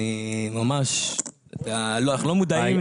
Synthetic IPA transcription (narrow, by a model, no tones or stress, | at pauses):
imamaʃt̪aloanaχnulo̞mud̪aim